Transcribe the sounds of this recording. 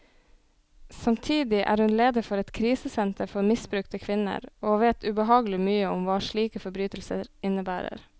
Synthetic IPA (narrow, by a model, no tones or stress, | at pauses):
sɑmt̪ʰiːd̪ɪʔæ̰ːɾhʉnleːd̪əfɔɾɛt̪kʰɾiːsəsɛnt̪əɾfɔɾmɪsbɾʉkt̪əkʰʋɪnə̰ɾoːʋeːt̪ʰʉbəɦɑːɡəlɪmyːəʊmʋɑːʃɭiːkəfɔbɾyːt̪l̩sə̰ɾɪnəbæːɾə̰ɾ